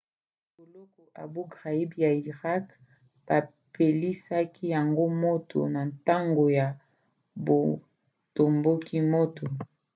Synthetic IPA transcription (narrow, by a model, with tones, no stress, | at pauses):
bo˨lɔ˦kɔ˨ʔa̰˨bu˦ɡʁa˨i˦bja˨i˨ʁa˦k | b̥a˨ | pe˨li˦sa˦ki˦ja˨ŋɡo˦mo˦to̰˨na˨nta˦ŋɡo˨ja˨ | bo˨ | to˨mbo˦kʰi˦mo˦to˨